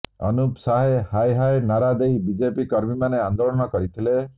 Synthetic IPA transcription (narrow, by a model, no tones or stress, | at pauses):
ɔ̰nupsaɦehajɦajnaɾad̪ejbid͡ʒepikɔɾmimaneand̪olɔñɔkɔɾit̪ʰile